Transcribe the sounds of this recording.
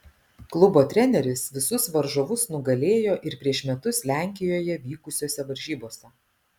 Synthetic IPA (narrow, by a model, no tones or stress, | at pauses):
klˠʊboːt̪ʲɾʲɛnʲɛɾʲɪsʋʲɪsʊsʋɐɾʒoʋʊsnʊɡɐlʲeːjoːʔɪɾpʲɾʲiɛʃmʲɛt̪ʊslʲæˑŋʲkʲɪjoːjɛʋʲiːkʊsʲoːsʲɛʋɐɾʲʒʲiːboːsʲɛ